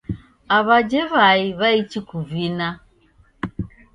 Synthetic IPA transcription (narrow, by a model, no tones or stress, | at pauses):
aβad͡ʒɛβaiβait͡ʃikuvina